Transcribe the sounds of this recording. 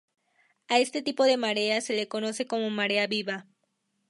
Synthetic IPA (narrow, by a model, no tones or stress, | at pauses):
ae̞st̪e̞t̪ipo̞ðe̞maɾe̞ase̞le̞ko̞no̞se̞ko̞mo̞maɾe̞aβiβa